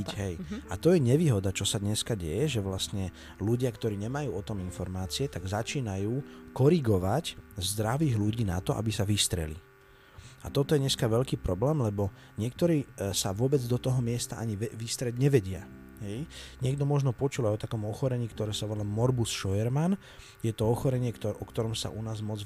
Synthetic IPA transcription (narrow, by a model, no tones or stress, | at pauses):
ɦɛjat̪ɔjɛɲɛʋiːɦɔd̪at͡ʃɔsad̪ɲɛskaɟɛ̰jɛʒɛʋlast̪ɲɛ | luɟɪakt̪ɔɾiːɲɛmajuːɔt̪ɔminfɔɾmaːt͡siɛt̪aɡzat͡ʃiːnajuːkɔɾiɡɔʋaczd̪ɾaʋiːɣluɟiːna̰t̪ɔʔa̰bisaʋist̪ɾɛ̰lḭ | a̰t̪ɔt̪ɔjɛɲɛskaʋɛʎkiːpɾɔblɛːmlɛbɔ | ɲɪɛkt̪ɔɾiːsaʋʊɔbɛd͡zd̪ɔt̪ɔɦɔmɪɛst̪aʔaɲiɛʋist̪ɾɛɟɲɛʋɛɟɪa̰ | ɦɛjɲɪɛɡd̪ɔmɔʒnɔpɔt͡ʃulajɔt̪akɔmɔxɔɾɛɲiːkt̪ɔɾɛːsaʋɔlamɔɾbusʃɔjɛɾman | jɛt̪ɔɔxɔɾɛɲɪɛkt̪ɔʔɔkt̪ɔɾɔmsa̰ʔunaːzmɔd͡z